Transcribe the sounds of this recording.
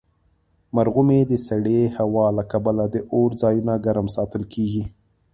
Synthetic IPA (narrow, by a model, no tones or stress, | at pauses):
maɾɣumed̪əsaɽehawɑlakabalad̪əʔoɾzɑjunaɡaɾmsɑt̪əlkʰeɡi